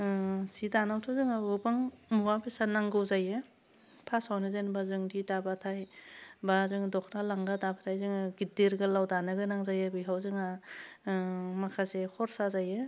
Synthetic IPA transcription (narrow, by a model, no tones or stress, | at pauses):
sidanawtʰawzɯŋaɯbaŋmuwapʰisanaŋɡɯwzajɯ | pʰasawnɯzanbazɯŋdidabatʰajbazɯŋdɔkʰnalaŋɡadabatʰajzɯŋaɡidiɾɡɯlawdanɯɡɯnaŋzajɯbɯjɦawzɯŋa | makʰasehʰɔɾsazajɯ